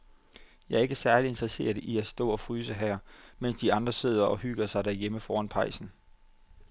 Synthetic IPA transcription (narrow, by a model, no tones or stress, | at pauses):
jɑ̈ɪæɐe̝ɡ̥əsæɐlie̝nd̥ʁɛse̝̰ːɐðˠiæsd̥ɔ̰̽ːɒ̽fʁyːsəɦæɐ̰men̰sd̥iɑ̈nd̥ʁɐse̝ð̞̰ˠɐʔɒ̽hyɡ̥ɐsɑ̈ɪdæɐjeməfɒːænpʰɑ̈ɪsn̩